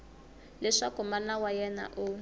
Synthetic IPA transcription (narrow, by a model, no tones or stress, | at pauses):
lɛʂakumalawajɛna̰ʔu